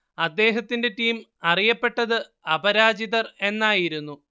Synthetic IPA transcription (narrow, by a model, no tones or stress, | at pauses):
ɐd̪ːe̞ːɦɐt̪ːinde̞ʈiːm | ɐrijɐpːe̞ʈːɐðɨɐbɐɾaːd͡ʑiðɐre̞nːaːjiɾunːu